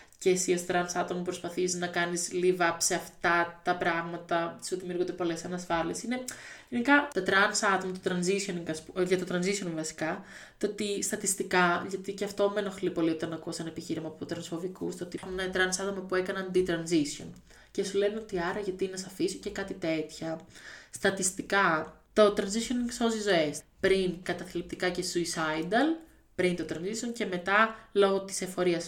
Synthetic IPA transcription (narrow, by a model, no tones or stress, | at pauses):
ce̞siost̪ɾɐnsɐt̪omɐpɾospɐθisnɐkɐnizlivɐseɐft̪ɐt̪ɐpɾɐɣmɐt̪ɐsuðimijuɾɣod̪epo̞le̞sɐnɐsfɐliesine̞ʝenikɐt̪ɐt̪ɾɐnsɐt̪o̞mɐt̪ot̪ɾɐnzisioninkɐspuʝɐt̪ot̪ɾɐnzisio̞nvɐsi̥kɐt̪oot̪ist̪ɐt̪ist̪ikɐʝɐt̪iceɐft̪o̞meno̞xlipo̞lio̞t̪ɐnɐkuɐsɐnɐe̞piçiɾimɐːpoot̪ɾɐnsfo̞vikust̪oot̪ixunenɐt̪ɾɐnsɐt̪omɐpue̞kɐnɐnd̪it̪ɾɐnzisio̰n | ce̞sule̞neo̞t̪iɐɾɐʝɐt̪inɐsɐfisuce̞kɐt̪it̪e̞t̪çɐst̪ɐt̪ist̪ikɐt̪o̞t̪ɾɐnzisionnso̞zizo̞e̞spɾinkɐt̪ɐθilep̚t̪ikɐce̞suisɐjd̪ɐl | pɾint̪o̞t̪ɾɐnzisionce̞me̞t̪ɐlo̞ɣo̞t̪i̥se̞fo̞ɾiɐs